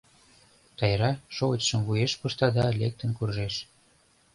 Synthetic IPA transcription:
t̪ɑjɾɑʃoət͡ɕʃə̆mvujeʃpuʃt̪ɑd̪ɑlek̚t̪ə̆nkurʒeʃ

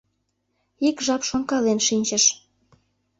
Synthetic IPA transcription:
ikʒɑpʃoŋkɑlenʃinʲt͡ɕəʃ

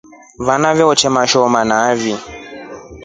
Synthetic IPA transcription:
vanavɛɔt͡ʃɛmaʃɔmanavi

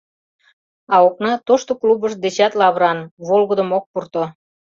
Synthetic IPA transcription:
ɑoknɑt̪oʃt̪oklubəʃd̪et͡ɕɑt̪lɑβɾɑnβolɣəd̪ə̆mok̚purt̪o

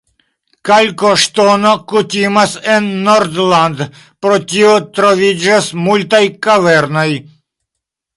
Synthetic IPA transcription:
kalkoʂt̪onokut̪ʲimasɛnːoɾd̪land̪ | pɾot͡ʃiot̪ɾovid͡ʒasmult̪ajkavɛɾnoj

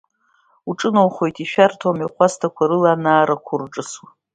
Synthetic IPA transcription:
uʈ͡ʂʼɨnowχo̞jtʰʼiʃᶣartʰomiχʷastʰakʷʰaɾɨlaːnaːɾakʷʰʊrʈ͡ʂʼɨswa

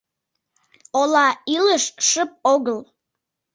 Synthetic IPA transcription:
olɑiləʃʃəp̚oɣəl

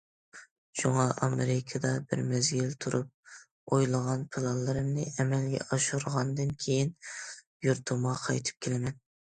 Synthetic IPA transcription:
ʃuŋɑɑmeɾɪkʰɑd̪ɑbɪ̰ɾmɛzɡʲilt̪ʰuɾup̚ | ojlˠəʁɑnpʰɪlˠɑlˠːɨɾɨmnɨɛmɛlɡʲɛ̰ʔɑʃuɾʁɑnd̪ɨnkʲʰejin | juɾt̪ʰʊmʁɑqʰɑjt̪ʰɨ̥p̚kʲʰelɪmɛn

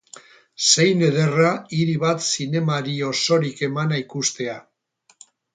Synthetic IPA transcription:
se̞jne̞ð̞e̞raiɾiβat̪sine̞maɾio̞so̞ɾike̞manaikust̪e̞a

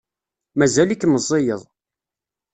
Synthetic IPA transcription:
mæzælikːməzˤːejəðˤ

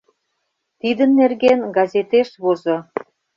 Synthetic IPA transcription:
t̪id̪ənːerɣenɡɑzet̪eʃβozo

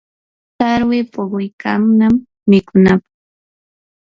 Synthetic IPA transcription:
taɾwɪpoɢʊjkamnamː | ɪkʊnapɑ̥χ

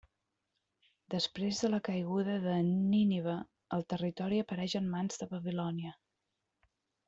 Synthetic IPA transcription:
d̪əspɾezðələkəjɣ̞uðəðəniniβə | əlˠt̪ərit̪ɔɾiəpəɾɛʒənmanzðəβəβilɔniə

